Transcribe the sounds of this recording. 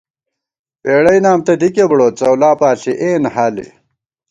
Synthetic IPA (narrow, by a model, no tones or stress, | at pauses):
peːɽɐinaːmt̪ɐd̪ikebɽoːt̪̚t͡sɐwlaːpaːɬiʔeːnɦalḭ